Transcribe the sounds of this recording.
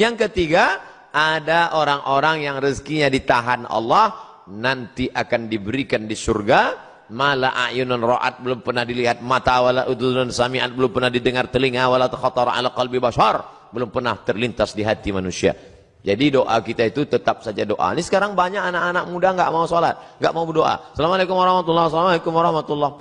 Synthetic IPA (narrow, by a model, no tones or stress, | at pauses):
jaŋkət̪iɡa | ʔːdaʔoɾaŋʔoɾaŋjaŋrəskiɲadit̪aɦanɑ̰lːɑh | nant̪iʔakandibəɾikandisurɡa | malaʔa̰ʔjʊnanrɔʔa̰t̪̚bəlʊmpərnahdiliɦat̪̚mat̪awalaʔut̪unansamiʔa̰t̪̚bəlʊmpərnahdidəŋart̪əliŋawalat̪xɑt̪ɔɾa̰laqɑlbibaʃɑr | bəlʊmpərnaht̪ərlint̪asdiɦat̪imanusia̰ | d͡ʒadidoʔakit̪ait̪ut̪ət̪ap̚sad͡ʒadoʔa̰nisə̥kaɾaŋbaɲakanaʔanak̚mudaŋɡaʔmausolat̪̚ŋɡaʔmaubədoʔa̰salamalekʊmwaɾɑhmat̪ulːɑhsalamalekʊmwaɾɑhmat̪ulːɑh